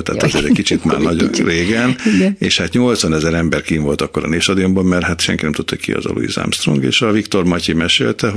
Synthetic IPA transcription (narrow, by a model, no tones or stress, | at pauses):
t̪ɛ̰ːt̪ɛzeːɾɛckit͡ʃit̪ma̰ːrnɒɟo̰reːɡɛnḛːʃhaːt̪ɲo̞lt̪sʋɒnɛzɛɾɛmbɛrkiːɱvo̞lt̪ɒkːo̞ɾɒ̰neːʃt̪ɒd̪iombommɛrɦat̪ʃɛŋkinɛmt̪ut̪ːɒ̰ckḭɒ̰zɒ̰lṵjḭza̰mst̪roŋɡḛːʃɒvikt̪o̞rmɒcimɛʃḛːlt̪ɛɦ